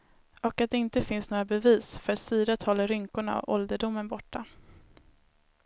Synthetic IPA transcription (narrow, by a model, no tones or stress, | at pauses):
ɔkat̪̚d̪ɛɪnt̪əfɪnsnoːɾabɛviːsfœɾat̪syːɾat̪ʰɑːləɾʏŋkʊɳa̰ɔ̰ʔɔld̪əɖʊmːənbɔʈːa